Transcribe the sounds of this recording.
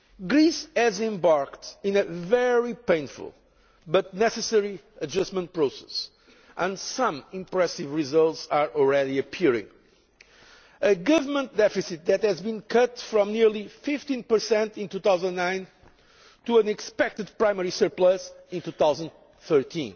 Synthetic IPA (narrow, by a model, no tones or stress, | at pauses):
ɡɾisɛzɛ̃mbaɹkt̪ĩnɨvɛɹipẽɪ̃nfṵlˠ | bʌt̪̚nɛsɨsɛɹi | ɨd͡ʒʌstmə̃nt̚pɹoʊsɛ̥s | ʔə̃ndsʌ̃mĩmpɹɛsivɹizʌlˠt̪saɹʔɔlˠɹɛðiɨpʰiɹɪ̰̃ŋ | ɨɡʌvə˞mə̃nt̪̚d̪ɛfisit̪̚ðɨt̪hɨzbĩnkʰʌt̪fɹɔ̃mniɹlˠifɪft̪ĩnpə˞sɛ̃nt̪ĩnt̪uθawzə̃nːãɪ̃n | t̪uə̃nɨkspɛk̚t̪ɨd̪̚pɹãɪmɛɹisə˞plasĩnt̪uθawzə̃nd̪ | θɜ˞t̪ʰḭ̃n